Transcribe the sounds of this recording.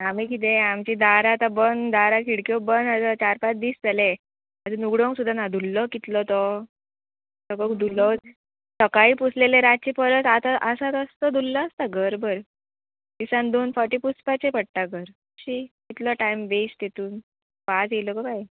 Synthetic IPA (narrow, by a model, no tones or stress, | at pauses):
amikit̪̬ẽamt͡ɕid̪aɾat̪abənd̪aɾakʰiɽkjobənasat͡ɕaɾpat͡sd̪iːsd͡zale | ad͡zenuɡɽõŋksud̪ʱːanad̪ʱulːɔkit̪lɔt̪ɔ | səɡəkd̪ʱulɔ | səkaiːpusleleɾat̪̚t͡ɕepəɾət̪at̪aʔəsat̪əst̪ɔd̪ʱulːəːst̪aɡʱəɾbəɾ | d̪̥isãnd̪oːnfəɾʈipuspat͡ɕepəɽt̪aɡʱəɾ | uɕikit̪lɔʈajmʋest̪et̪uːn | pat͡sjelɔkɔbaj